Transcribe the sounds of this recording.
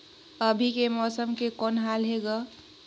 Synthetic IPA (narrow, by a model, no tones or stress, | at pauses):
əbʱikemɔːsəmkekɔːnɦaːlɦeɡa